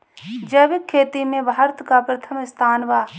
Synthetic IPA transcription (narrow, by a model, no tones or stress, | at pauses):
d͡ʒɐʋɪkʰːeːt̪imẽbʱaːɾt̪ʰkapɾɐt̪ʰəmɪst̪ʰaːnʋaː